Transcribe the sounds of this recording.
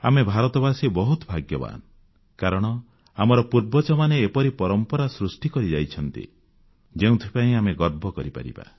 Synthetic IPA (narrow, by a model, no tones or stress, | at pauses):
a̰mebʱaɾɔt̪ɔbasibɔɦut̪ɔbʱaɡjɔba̰n | kaɾɔɽ̃ɔ | amɔɾɔpuɾbɔt͡ʃɔmaneːpɔɾipɔɾɔmpɔɾasɾusʈikɔɾid͡ʒajt͡ʃʰɔnt̪ḭ | d͡ʒeũt̪ʰipaĩameɡɔɾbʱɔkɔɾiba̰ɾḭba̰